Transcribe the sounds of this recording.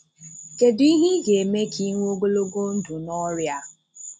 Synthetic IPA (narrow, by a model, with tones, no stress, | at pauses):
ke˨di˦ɦi˦ɡe˨me˦kʰi˦ŋʷ˦o˦ɡo˦lo˦ɡo˦n̩˦du˨nɔ˦ɾja˦